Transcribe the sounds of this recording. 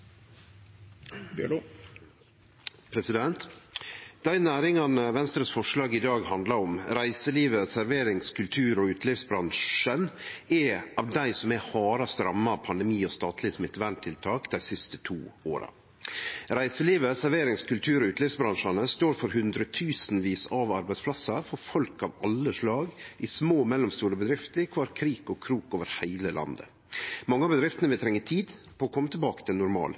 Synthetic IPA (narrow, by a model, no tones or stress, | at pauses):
pʰɾɛsɪd̪ɛnt̪ | d̪̥æɪnæːɾɪŋɑnəʋɛnst̪ɾəsfɔʂlɑːɡɪd̪ɑːɡhɑnd̪lɑɾɔmɾæɪsəliːʋəsæɾʋeːɾɪŋskʰʉlt̪ʰʉːɾɔʉːt̪ʰlɪfsbɾɑnʂənɛɑʋd̪æɪsɔmɛhɑːɾɑst̪ɾɑmːɑpʰɑnd̪ɛmiːɔst̪ɑːt̪ʰlɪsmɪt̪ʋæɳt̪ʰːɪlt̪ʰɑːkd̪æɪsɪst̪ə̥t̪ʰṵːoːɾɑ̰ | ɾæɪsəliːʋəsæɾʋeːɾɪŋskʉlt̪ʰʉːɾɔʉːt̪lɪfsbɾɑnʂɑnəst̪oːɾfɔɾhʉnd̪ɾət̪ʰʉːsnʋiːsɑʋɑɾbæɪspʰlɑsɑfɔɾfɔlkɑʋɑlːəʂɭɑːɡɪsmoːmɛlːʊmst̪uːɾəbəd̪ɾɪft̪əɾkʰʋɑːɾkʰɾiːkɔkʰɾuːkoːʋəɾhæɪləlʔɑ̰nd̪ə̰ | mɑŋːəɑbəd̪ɾɪft̪ənəʋɪt̪ʰɾɛŋːət̪ʰiːd̪pʰɔːkʰɔmːət̪ʰɪlbɑːkə̥t̪ʰɪlnʊɾmɑ̰ːl